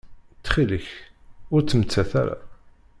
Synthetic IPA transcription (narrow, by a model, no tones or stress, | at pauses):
t͡s̪ːχiləçʊɾt͡sːəmət͡sːæθæ̰ɾa̰